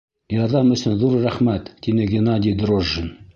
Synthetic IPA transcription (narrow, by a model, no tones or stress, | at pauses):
jɑɾðɑmɵ̆sɘnðuɾræχmæt̪ːinɘɡʲenɑd̪ʲid̪ɾoʒːən